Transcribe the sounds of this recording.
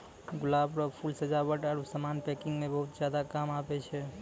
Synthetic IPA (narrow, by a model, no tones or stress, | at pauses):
ɡulabɾɔpʰulsəd͡ʒabəʈaɾusəmanpɛkiŋɡmebəɦut̪̚d͡ʒjad̪akamapɛt͡ʃʰɛ